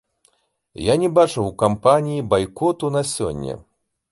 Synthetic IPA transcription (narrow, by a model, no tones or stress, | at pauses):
janʲɛbat͡ʂɐwkampanʲijibajkɔt̪unasʲɔ̰nʲːɛ̰